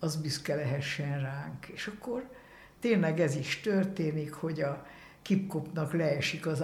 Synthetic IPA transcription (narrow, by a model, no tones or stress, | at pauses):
ɒzbyskɛlɛɦɛʃːɛnraːŋkeːʃɒkːor | t̪eːnlɛɡɛziʃt̪ørt̪eːnikho̞ɟɒ | kipko̞pnɒklɛːʃikɒz